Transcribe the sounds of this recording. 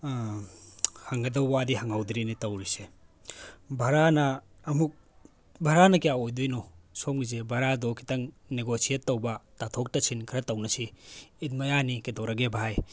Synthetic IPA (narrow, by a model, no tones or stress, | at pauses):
hɐŋɡɐdɐwːadiɦɐŋawd̪ɾinitɐwɾise | bʱɐɾanɐː | muk̚ | bʱɐɾanɐkijaojdujnosomɡizebʱɐɾadokʰi̥tɐŋ | neɡosietːɐwbɐtatʰok̚tɐsʰinkʰiɾɐtɐwnɐsiːt̚mɐjanikedowɾɐɡebʱaj